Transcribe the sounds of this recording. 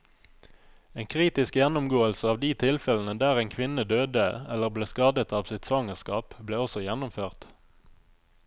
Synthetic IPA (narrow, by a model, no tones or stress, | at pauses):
eːŋkʰʁiːt̪ɪskjɛnʊmɡoːəlsəɑːʋd̪iːt̪ʰɪlfɛln̩əd̪æːʁeːŋkʰʋɪnəd̪øːd̪əɛləʁbleːskɑːd̪ət̪ɑːʋsɪt̪sɑŋəʁskɑːpbleːɔsɔjɛnʊmføːʁt̪